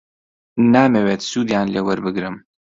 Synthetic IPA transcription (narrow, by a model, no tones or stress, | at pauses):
naːmeweːt̪suːd̪jaːnleːwɐɾbɨɡɾɨm